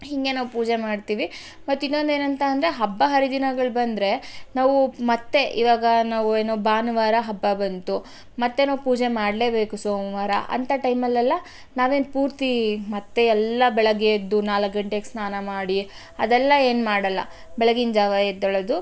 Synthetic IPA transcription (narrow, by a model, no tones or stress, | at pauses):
hiŋɡe̞naːʋupuːd͡ʒe̞maːɖt̪iːʋi | mɐt̪ːinːo̞nd̪e̞ːnɐnt̪ʰɐːnd̪ɾeɦɐbːɐɦɐɾid̪inɐɡɐɭbɐnd̪ɾe̞naːʋumɐt̪ːe̞ʔḭʋaːɡɐnaːʋue̞ːnobaːnʋaːɾɐɦɐbːɐbɐnt̪u | mɐt̪ːe̞naːʋupuːd͡ʒe̞maːɽle̞ːbe̞ːkusoːmʋaːɾɐ̰ʔɐ̰nt̪ʰɐʈɐjmɐlːɐlːɐ | naːʋe̞ːnpuːɾt̪imɐt̪ːe̞ɛlːɐbɛɭɐɡed̪unaːlɐkɡɐɳʈeksnaːnɐmaːɽi | ɐd̪ɛlːɐe̞ːnmaːɽɐlːɐ̰ | bɛɭɐɡind͡ʒaːʋajed̪ɐɭɐd̪u